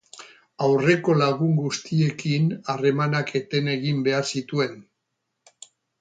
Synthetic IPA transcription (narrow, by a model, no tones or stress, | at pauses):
awre̞ko̞laɣuŋɡust̪ie̞kinare̞manake̞t̪e̞ne̞ɣimbe̞aɾsit̪ue̞n